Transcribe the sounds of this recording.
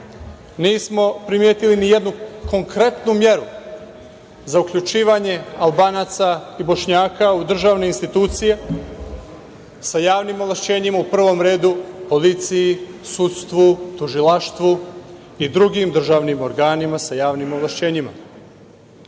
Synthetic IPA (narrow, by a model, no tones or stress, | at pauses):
niːsmo̞pɾimjeːt̪ilinije̞d̪nuko̞ŋkɾe̞t̪numje̞ɾu | zaukʎut͡ʃiːʋaɲe̞albaːnaːt̪saibo̞ʃɲaːkaud̪r̩ʒaʋneinst̪it̪uːt̪sije | sajaːʋnimoʋlˠaʃt͡ɕe̞ːɲimaupr̩ʋo̞mɾe̞ːd̪upo̞lit̪sijisut̪st̪ʋut̪uʒilaʃt̪ʋu | id̪ɾuɡimd̪r̩ʒaʋnimo̞ɾɡaːnimasajaːʋnimoʋlaʃt͡ɕe̞ːɲima̰